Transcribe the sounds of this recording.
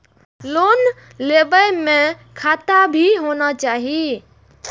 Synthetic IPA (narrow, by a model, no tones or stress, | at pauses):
lon | lebəjmẽkʰat̪abʱiɦonat͡ʃaːɦi